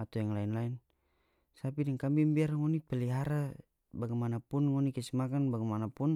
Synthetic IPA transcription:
at̪ujaŋlainlain | sapidɛŋkambimbiarŋɔnipɛliɦaɾa | baɡɛmanapunŋɔnikɛsimakanbaɡɛmanapun

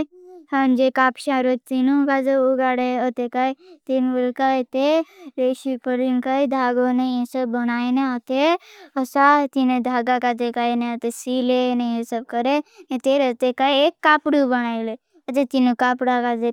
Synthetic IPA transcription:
hənd͡ʒekaːpʃaɾot̪inũkazeuɡaɽeət̪ekait̪inbəlkait̪eɾeːʃipəlinkaid̪ʱaːɡonejẽsəbːənaːeneət̪eəsat̪ined̪ʱaːɡakad͡ʒ̪ekainẽət̪esilenejẽsəb̚kəɾeẽt̪eɾət̪ekaiekːaːpɽubəñaːile | ət̪et̪inũkaːpɽakaze

